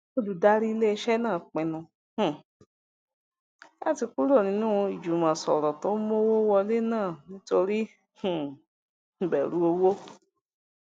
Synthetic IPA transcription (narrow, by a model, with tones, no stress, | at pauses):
o˦˨du˨da˦ɾi˦i˧le˦i˧ʃɛ˦nãː˦˨k͡pɛ̃˨nũ˧ | h̩˨ | la̰˦˨ti˧ku˦ɾo˦˨nĩ˨˦nũ˦w̃ɔ̃˧i˨d͡ʒu˨˦mã˨sɔ̰˨ɾɔ˨to˦mo˦wo˦wɔ˧le˦nãː˦˨nĩ˦to˧ɾi˦ | h̩˨ | bɛ˨ɾũ˨˦o˧wo˦